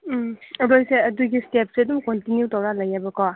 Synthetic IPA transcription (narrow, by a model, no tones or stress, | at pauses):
ɾojseɐduɡistep̚siɐdumkɔntinjutawɾalajabəkɔ